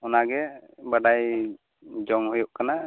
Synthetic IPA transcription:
ɔnaɡɛbaɖaj | d͡ʒɔŋhujuʔkana

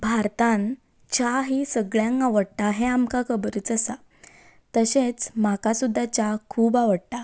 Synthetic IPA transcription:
bʱaɾt̪ãn | t͡ɕaɦisəɡɭjãŋkaʋəɽt̪aɦɛ̃amkakəbəɾət͡səsa | t̪əɕẽt͡smakasud̪ʱːat͡ɕakʰuːbaʋəɽt̪a

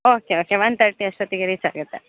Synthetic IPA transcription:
oːkeoːkeʋɐnt̪ɐɾʈːiɐʃʋɐt̪iɡɐɾit͡ʃa̰ːɡut̪ːe

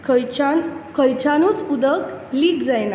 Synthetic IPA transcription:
kəjt͡ɕanut͡sud̪əkliːɡd͡zajna

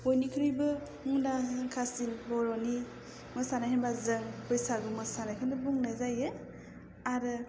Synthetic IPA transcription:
ojnikʰɯɾɯjbɯ | muŋdaŋkʰasinbɔɾɔni | mɯsanahinbazɯŋpɯjsaɡumɯsanajkʰandɯbuŋnajzajɯ | aɾɯ

